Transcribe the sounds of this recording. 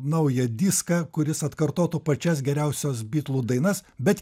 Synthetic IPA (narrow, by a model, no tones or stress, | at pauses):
nɐʊjɛd̪ʲɪskɐkʊɾʲɪsɐt̪kɐɾt̪oːt̪upɐt͡ʃʲɛs̬ɡʲɛɾʲɛʊsʲoːsbʲiːt̪lˠuːd̪ɐɪnɐsbʲɛt̪